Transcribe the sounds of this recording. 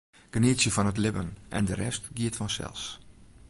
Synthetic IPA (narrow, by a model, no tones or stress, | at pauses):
ɡ̥ənɪəsjəfɔnətlɪbənʔɛ̰ndərɛstɡiətfɔnsɛ̰lˠs